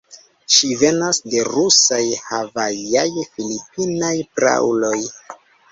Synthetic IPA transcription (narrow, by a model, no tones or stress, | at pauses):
ʃive̞nasde̞ɾusajhavajajfilipinajpɾa̰wlo̞j